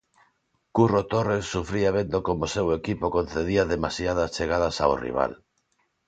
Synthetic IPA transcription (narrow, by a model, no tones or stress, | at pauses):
kurot̪oresːufɾiaβend̪okomosewekipokon̟θeðiaðemasjað̞ast͡ʃeɣ̞að̞asa̰wrḭβ̞a̰l